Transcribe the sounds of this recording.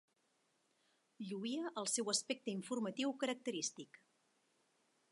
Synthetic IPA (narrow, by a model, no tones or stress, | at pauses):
ʎuiəʔəlˠsɛwəspɛk̚t̪əiɱfurmət̪iwkəɾək̚t̪əɾist̪ik